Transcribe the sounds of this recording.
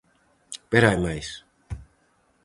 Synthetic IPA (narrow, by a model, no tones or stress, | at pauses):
peɾajmajs